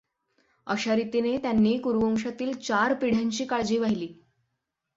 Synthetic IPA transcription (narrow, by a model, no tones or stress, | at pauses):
əɕaɾit̪inet̪janːiːkuɾʋəŋʂat̪iːlt͡ɕaɾpiɽ̤jaɲt͡ɕiːkaɭd͡ʑiːʋaɦiliː